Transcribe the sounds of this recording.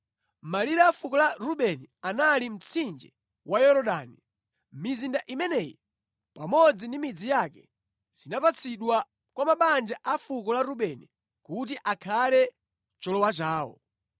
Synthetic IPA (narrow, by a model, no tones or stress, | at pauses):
maliɾafukɔlaɾuɓɛnianalim̩t͡sʰind͡ʒɛ | wʔajɔɾɔɗani | mizindaʔimɛnɛːji | pamɔd͡zindimid͡zijakɛ | z̥inapat͡sʰiɗwa | kwamaɓand͡ʒaʔafukɔlaɾuɓɛni | kut̬iʔakʰalɛ | t͡ʃɔlɔwat͡ʃaːwɔ̰